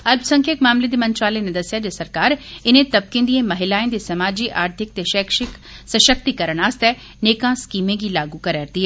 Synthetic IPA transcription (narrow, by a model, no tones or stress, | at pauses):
ɐlbsɐ̃ŋkʰekmaːmled̪emɐ̃ɲt͡ʃwaːlened̪ɐsijad͡ʑeːsɐɾkaːɾɪnẽt̪ɐb̚kẽnd̪iẽmɐɦɪlaːẽnd̪esɐmaːd͡ʑiʔaːɾt̪ʰɪk̚t̪eʃɛːkʃɪk | sɐʃək̚t̪ikɐɾəɽ̃aːst̪ɛ | neːkãskiːmẽd͡ʑilaːɡukɐɾɛːɾt̪iɦɛ